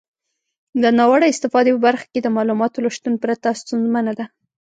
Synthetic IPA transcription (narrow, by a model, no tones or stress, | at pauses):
d̪ənɑwaɽaɪst̪ɪfɑd̪epəbaɾxḁked̪əmɑlumɑt̪olaʃt̪unpɾat̪ast̪unzmanad̪a